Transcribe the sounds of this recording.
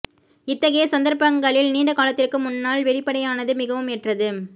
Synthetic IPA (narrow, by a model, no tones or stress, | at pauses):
ɪt̪ːɐɣɐjɐsɐnd̪ɐɾpɐŋɡɐɭɪlniːɳɖɐkaːlɐt̪ːɪrkɯmʊnːaːlʋɛɭɪpːɐɽɐjaːnɐðɯmɪɣɐʋɯmɛʈrɐðɯ